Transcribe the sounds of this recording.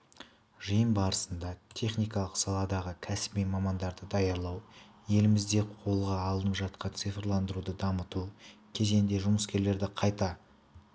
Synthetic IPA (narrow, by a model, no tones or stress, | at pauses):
ʒəjəmbɑɾəsənd̪ɑt̪ʲʰe̞χnijkɑlˠəqsɑlˠɑd̪ɑʁəkʲʰæsɪ̥bijmɑmɑnd̪ɑɾd̪əd̪ɑjɑɾlˠɑw | je̞lɪmɪzd̪e̞qʰo̞lˠʁɑːlˠənəpʒɑt̪̚qɑnt̪sɨjfɾlˠɑnd̪əɾud̪əd̪ɑmət̪ukʲʰe̞ze̞nd̪e̞ʒʊməskʲe̞ɾle̞ɾd̪ɪqʰɑjt̪ɑ